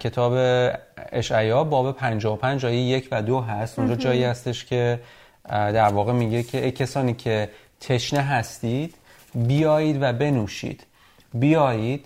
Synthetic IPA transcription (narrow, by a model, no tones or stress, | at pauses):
cʰe̞t̪ʰɒːbe̞eʃʔæjɒːbɒːbe̞pʰænd͡ʒɒːopʰænd͡ʒɒːjeje̞cʰvæd̪oɦæst̪ond͡ʒɒːd͡ʒɒːiːhæst̪e̞ʃcʰe̞ | d̪æɾvɒːɣe̞miɟecʰeʔecʰesɒːniːcʰe̞ | t̪ʰe̞ʃneɦæst̪iːd̪̥ | bijɒːjiːd̪væbe̞nuːʃḭːd̪̥ | bijɒːjiːd̪̥